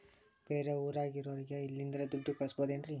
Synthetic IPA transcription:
b̥eːɾeuːɾaːɡiɾɔʋɾiɡeilːind̪ɐɾed̪uɖːikɐɭɐsboːd̪eːndɾi

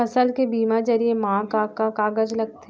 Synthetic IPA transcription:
ɐsəlkebiːmad͡ʒɐɾiemãːkakakaːɡəd͡ʒlɐɡ̚t̪ː

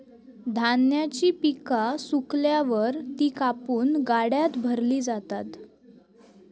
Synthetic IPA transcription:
d̪ʱanjat͡ɕiːpikasukljaʋəɾt̪iːkapuːnɡaɽjat̪bʱəɾliːd͡zat̪at̪

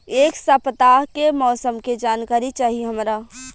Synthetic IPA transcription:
eːksapət̪aːɦkemɔːsəmked͡ʒaːnkaːɾit͡ʃaːɦieɦəmɾa

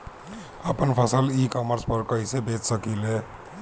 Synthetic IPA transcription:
əpənpʰəsəlikɔməɾspəɾkəisebet͡ʃsəkile

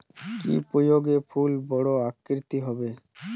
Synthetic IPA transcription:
kḭpɾojoɡefʰulbɔɽoakːiɾt̪iɦɔbe

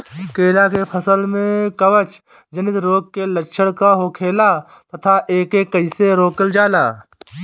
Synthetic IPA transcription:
keːlakepʰəsəlmẽkɐʋət͡ʃ | d͡ʒənɪt̪ɾoːɡ̚keləkʃʰəɽkaɦokʰeːla | t̪ɐt̪ʰaʔeːkekːəɪseɾoːkəld͡ʒaːlaː

